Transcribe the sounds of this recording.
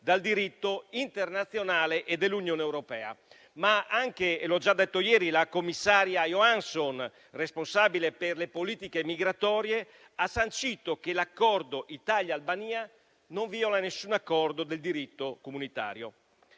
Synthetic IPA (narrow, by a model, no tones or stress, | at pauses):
d̪ald̪iɾit̪ːoint̪ernat̪sːjonaːleʔed̪ːelːunjoːneɛwɾopɛːa̰ | maaŋkeelɔd͡ʒad̪ːet̪ːojɛːɾilakomːisːaːɾjajoanson | responsaːbileperlepoliːt̪ikemiɡɾat̪ɔːɾje | asːant͡ʃiːt̪okelakːɔrd̪oʔit̪aljaːlbaniːa | noɱviolanesːunakːɔrd̪od̪eld̪iɾit̪ːokomunit̪a̰ːɾjo